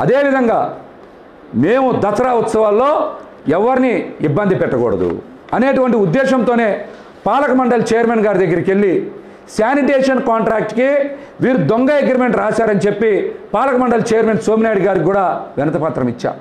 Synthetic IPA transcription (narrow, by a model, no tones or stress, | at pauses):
ɐ̰d̪e̞ːʋid̪ʱɐŋɡaː | meːmud̪ɐsɐɾaʋɐt̪sɐʋaːlːo̞ː | ɛʋːɐɾiniibːɐnd̪ipɛʈːɐkɔːɽɐ̰d̪ṵ | ɐne̞ːʈuʋɐɳʈiud̪ːɛːʃɐmt̪o̞ːne̞ː | paːlɐkɐmɐɳɖɐlɐt͡ʃɛːjɐɾmenɡaːɾid̪ɐɡːɐɾike̞lːi | saːniʈeːʂɐnkaːɳʈɾaːk̚ʈki | ʋiːɾud̪oŋɡɐeɡɾɐme̞ɳʈɾaːsaːɾɐnit͡ʃe̞pːipaːlɐkɐmɐɳɖɐlɐt͡ʃɛːjɐɾmenso̞ːminaːjɽɡaːɾkkuːɽaːʋɛnɐt̪ɐpaːt̪ɾɐmit͡ʃːa̰ːm